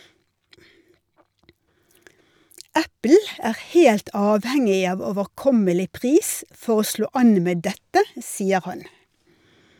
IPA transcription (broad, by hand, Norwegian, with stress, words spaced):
ˈæpl̩ ˈæːʁ ˈheːlt ˈɑːʋhɛŋɪ ˈɑːʋ oːʋəʁˈkɔməlɪ ˈpʁiːs ˈfɔʁ ˈoː ˈʃloː ˈɑn ˈmeː ˈdɛtə ˈsiːə ˈhɑn